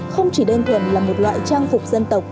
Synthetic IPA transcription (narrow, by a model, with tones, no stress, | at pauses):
xə˧wŋ͡mt͡ɕi˧˩ɗəː˧nt̪ʰwə˨˩nlaː˨˩mo˨˩t̚lwa̰ː˧˨jt͡ɕaː˧ŋfʊ˨˩k͡p̚zə˧nt̪ə˨˩wk͡p̚